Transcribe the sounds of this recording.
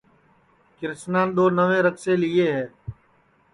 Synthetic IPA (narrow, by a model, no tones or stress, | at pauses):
kɪɾsnãːnɗ̪oːnəʋẽːɾəkseːliːeːɦɛː